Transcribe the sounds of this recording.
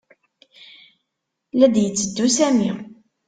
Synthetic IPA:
læd̪jət͡sːəd̪ːusæmi

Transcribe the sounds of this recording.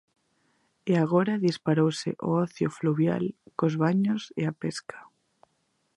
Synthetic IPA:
eaɣ̞oɾaðispaɾowsḛʔooθjofluβja̰lkozβaɲosḛapeskʰḁ

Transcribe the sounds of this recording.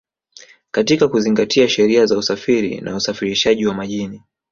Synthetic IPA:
katikakuziŋɡatʰiaʃɛɾiazausafiɾḭnʔa̰usafiɾiʃaʄiwamaʄini

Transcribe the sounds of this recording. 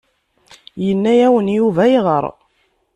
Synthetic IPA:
jənːæjæwənjuvæiʁə̰ɾˤ

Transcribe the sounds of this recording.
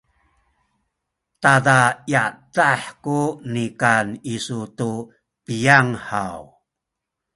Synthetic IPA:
tadajadaħkunikanisutu | pijaŋħaw

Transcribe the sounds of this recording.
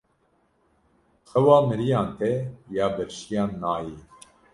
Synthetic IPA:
qʰɛwɑːmɨɾijɑːnt̪ʰɛjaːbɨɾʃijɑːnːaːjiː

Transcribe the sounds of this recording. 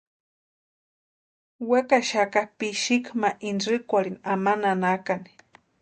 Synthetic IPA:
wekaʃakapiʃikmaʔinrɨkʷaɽinamananakani̥

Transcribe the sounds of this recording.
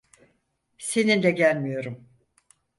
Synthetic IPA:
se̞nind̪ɛɟælʲmijo̞ɾum

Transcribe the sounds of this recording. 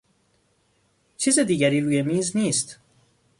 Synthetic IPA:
t͡ʃʰiːzed̪iːɟæɾiːɾuːjemiːzniːst̪

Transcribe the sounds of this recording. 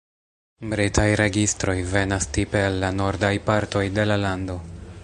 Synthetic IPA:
bɾitʰajɾe̞ɡistɾo̞jve̞nastipe̞alːano̞ɾdajpaɾto̞jde̞lalando̞

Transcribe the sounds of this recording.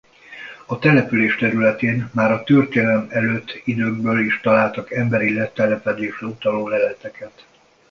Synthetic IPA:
ɒt̪ɛlɛpyleːʃt̪ɛɾylɛt̪eːnmaːɾɒt̪ørt̪eːnɛlɛmɛløːt̪ːid̪øːɡ̚bøːliːʃt̪ɒlaːlt̪ɒkɛmbɛɾilɛt̪ɛlɛpɛd̪eːʃrɛut̪ɒloːlɛlɛt̪ɛkɛt̪

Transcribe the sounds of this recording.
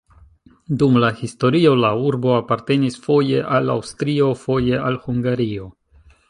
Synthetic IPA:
dumlahisto̞ɾio̞lauɾbo̞apaɾte̞nisfo̞je̞ʔala̰wstɾio̞fo̞je̞alhuŋɡaɾio̞

